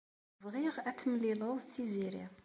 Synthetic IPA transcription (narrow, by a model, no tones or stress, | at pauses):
vʁiʁæt͡sːəmlilˤoðθiziɾḭʁ